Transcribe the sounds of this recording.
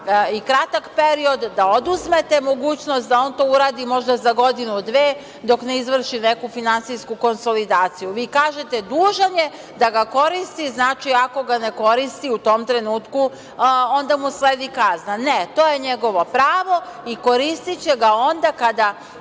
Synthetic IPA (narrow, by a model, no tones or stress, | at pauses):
ikɾat̪akpe̞ɾio̞d̪ːaod̪uzmet̪e̞mo̞ɡuːt͡ɕnost̪d̪ao̞nt̪o̞ːuɾaːd̪imo̞ʒd̪azaɡo̞d̪inud̪ʋeː | d̪o̞kneizʋr̩ʃinekufinansijskuko̞nso̞lid̪aːt̪sijuʋiːkaːʒe̞t̪ed̪uːʒaɲe̞ | d̪aɡako̞ɾist̪iznaːt͡ʃiako̞ɡane̞ko̞ɾist̪iut̪o̞mt̪ɾe̞nuːt̪ku | o̞nd̪amusleːd̪ikaznanet̪o̞ːjeɲe̞ɡo̞ʋo̞pɾaːʋo̞iko̞ɾist̪it͡ɕeɡao̞nd̪akad̪a